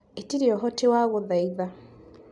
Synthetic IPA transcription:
etiɾiɔɦɔtewaɣoðaiða

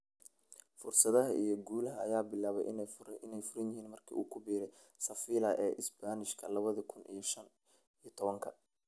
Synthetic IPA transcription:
fʊrsɐðɐɦɐ̰ʔijɞɡuːlɐɦɐɐjaːbɪlaːβɛ̰jʔɪnɪnɛjfʊɾɐnjɪhiːnmɐrkʰḭːʔuːkʰʊbiːɾɛj | sɐfiːlɐʔɛːʔɪsbaːnɪʃkʰɐlɐβɐðɐkʰʊnʔḭjɞʃɐn | ijɐt̪ʰɔβɐŋkʰɐ

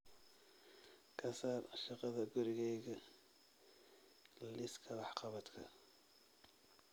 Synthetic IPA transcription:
kʰɐsaːrʃɑqɑðɐɡʊɾɪɣɛjɣɐ | llɪskʰɐwɑħqɑβɐd̪kʰɐ̰

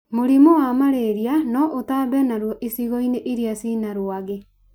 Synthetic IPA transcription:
moɾimowamaɾeɾianɔʔotaːbɛnaɾwɔʔesiɣɔineʔeɾiasiːnaɾoaɣe

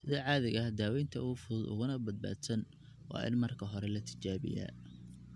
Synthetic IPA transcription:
sɪðaːʕɑːðɪɣɐd̪aːwɛjnt̪ʰɐufʊːd̪ʊ̰ɣʊnɐbɐd̪̚ba̰ːd̪sɐn | wɑ̰ːʔɪ̰nmɐrkʰɐɦɔɾɛlɐt̪ʰɪ̥t͡ʃaːβɪ̰ja̰ː

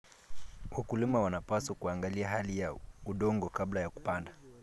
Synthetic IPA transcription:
wakulimawanapasakuaŋɡaliaɦalijauɗɔŋɡɔkablajaku̥panda

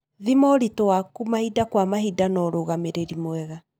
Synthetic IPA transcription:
ðimɔɾitowakumahidakwamaɦidanɔɾoɣameɾeɾimoɛɣa

